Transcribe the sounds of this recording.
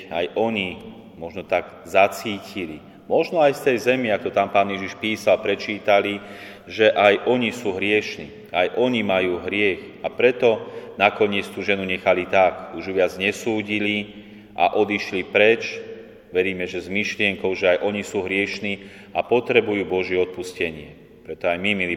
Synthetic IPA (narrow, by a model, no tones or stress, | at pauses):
a̰jʔɔɲi | mɔʒnɔt̪aɡ | zat͡siːcili | mɔʒnɔajst̪ɛjzɛmɪak̚t̪ɔt̪aːmpaːnjɛʒiʃpiːsalpɾɛt͡ʃiːt̪ali | ʒɛʔajʔɔɲisuːɦɾɪɛʃniː | ajʔɔɲimajuːɦɾɪɛx | apɾɛt̪ɔnakɔɲɪɛt͡st̪uːʒɛnuɲɛxalit̪akuʒuʋɪad͡zɲɛsuːɟili | ʔa̰ʔɔd̪iʃlipɾɛt͡ʃ | ʋɛɾiːmɛʒɛzmiʃlɪɛŋkɔʊʒɛajʔɔɲisuːɦɾɪɛʃniː | apɔt̪ɾɛbujuːbɔʒɪɛɔt̪̚puscɛɲɪɛ | pɾɛt̪ɔajmimili